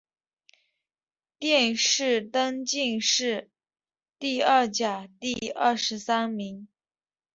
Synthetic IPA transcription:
t̪jɛ˥˧nʂɻ̩˥˩t̪ɤ˥ŋt͡ɕi˥˧ŋʂɻ̩˥˩ | t̪i˥˧ɐ˥˩t͡ɕja˨˩t̪i˥˧ə˥˩ʂɻ̩˧˥sa˥nmi˧˥ŋ

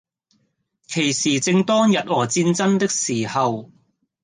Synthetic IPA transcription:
kʰe˨˩jsiː˨t͡sɪ˧ŋt̪ɔː˥ŋjɐ˨t̚ɔː˨˩t͡siː˧nt͡sɐ˥nt̪ɪ˥k̚siː˨˩hɐ˨w

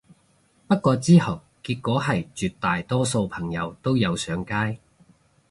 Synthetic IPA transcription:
pɐ˥t̚kʷɔː˧t͡siː˥hɐ˨˩w | kiː˧t̚kːʷɔː˨˥ɦɐ˨jt͡ʃyː˨˧t̚t̪ːaː˨jt̪ɔː˥so˧wpʰɐ˨˩ŋjɐ˨˧wt̪o˥wjɐ˨˧wsœː˨˧ŋkaː˥j

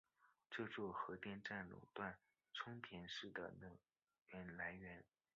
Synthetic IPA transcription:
ʈ͡ʂɤ˥˧t͡swɔ˥˩xɤ˧˥t̪jɛ˥˧nʈ͡ʂa˥˩nlṵ˨˩t̪wa˥˩n | ʈ͡ʂʰʊ˥ŋt̪ʰjɛ˧˥nʂɻ̩˥˩d̪ə̰˩nɤ˥˩ | ɥɛ˧˥nla˧˥ɪɥɛ˧˥n

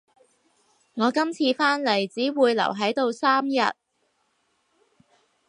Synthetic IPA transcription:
ŋɔː˨˧kɐ˥mt͡sʰiː˧faː˥nle˨˩jt͡siː˨˥wuː˨˧jlɐ̰˨˩wɦɐ˨˥jt̪o˧wsaː˥mjɐ̰˨t̚

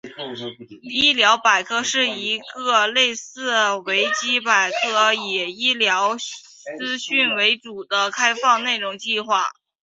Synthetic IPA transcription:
i˥˩ljɑ˧˥ʊpa˨˩ɪkʰɤ˥˧ʂɻ̩˥˩i˧˥ɡɤ˥˧le˥˧ɪsɹ̩˥˩we˧˥ɪt͡ɕi˥pa˨˩ɪkʰɤ˥˩jɛ˨˩i˥ljɑ˧˥ʊ | t͡sɹ̩˥ɕy˥˩nwe˧˥ɪʈ͡ʂu˨˩d̪ə˦kʰa˥ɪfɑ˥˧ŋne˥˩ɪʈ͡ʂʊ˨˩ŋt͡ɕi˥˧xwa̰˥˩

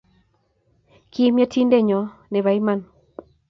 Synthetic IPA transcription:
kʰi˦mjɔ˦tʰi˦nde˦˨ɲɔ˨nɛ˨βa˨i˦ma˨n

